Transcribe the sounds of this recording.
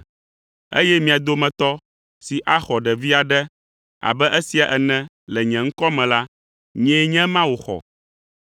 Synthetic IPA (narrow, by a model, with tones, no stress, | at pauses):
ḛ˦jɛ˦mĩ˨a˨d̪o˦mɛ̃˨t̪ɔ˦ | si˨ʔa˦xɔ˨ɖɛ˨vi˦a˨ɖɛ˦ | a̰˨bɛ˦ʔɛ˦si˨a˨ʔɛ˨nɛ̃˦ | lɛ˨ɲɛ̃˨ŋ̩˦kɔ˦mɛ̃˨la˦ | ɲɛ̃˦ɲɛ̃˦mã˦wo˨xɔ̰˨